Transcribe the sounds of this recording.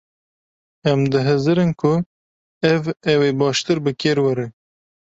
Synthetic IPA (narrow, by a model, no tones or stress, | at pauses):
ɛmd̪ɨɦɨzɨɾɨnkʰʊ | ɛvɛweːbɑːʃt̪ɨɾbɨkʰeːɾwɐɾɨ